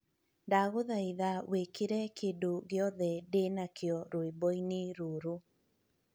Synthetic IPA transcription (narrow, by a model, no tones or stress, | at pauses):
ndaɣoðaiðawekeɾɛkʰedoɣeɔðɛdenakʰeɔɾoebɔineɾoːɾo